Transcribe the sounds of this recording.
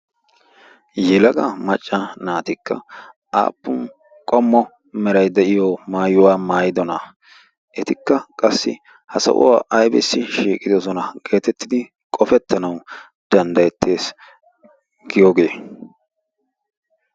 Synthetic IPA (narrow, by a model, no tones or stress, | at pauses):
jɛlɐɡɐmɐt͡ʃʼːɐnaːt̪ɪkːɐ̰ | a̰ːpːʊn | kʼɔmːɔ | mɛɾɐjd̪ɛʔɪjɔmaːjʊwaːmaːjɪd̪ɔnɐ | ʔɛt̪ɪkːɐkʼɐsːɪ̰ | hɐsɐ̰ʔʊ̰waːʔɐjbɪ̰sːɪʃiːkʼɪd̪ɔsɔnɐɡe̞ːt̪ɛt̪ːɪd̪ɪ | kʼɔfɛt̪ːɐnɐw | d̪̥ɐnd̪ɐjɛt̪ʰːe̞ːs | ɡɪjɔɡe̞ː